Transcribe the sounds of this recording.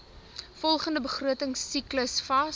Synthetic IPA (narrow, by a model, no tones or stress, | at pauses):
fɔlˠχəndəbəχruətəŋsːikləsfɐ